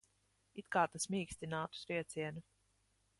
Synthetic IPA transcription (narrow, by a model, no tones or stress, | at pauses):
it̪kaːt̪asmiːksʲt̪ʲinaːt̪u̥sɾiɛt̪siɛnu